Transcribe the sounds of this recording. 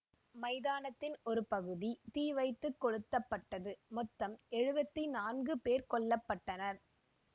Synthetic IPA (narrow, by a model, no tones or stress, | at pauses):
mɐɪðaːnɐt̪ːɪnɔɾɯpɐɣɯðit̪iːʋɐɪt̪ːɯkːɔɻɯt̪ːɐpːɐʈːɐðɯmɔt̪ːɐmɛɻɯbɐt̪ːinaːnɡɯpeːɾkɔɭːɐpːɐʈːɐnɐɾ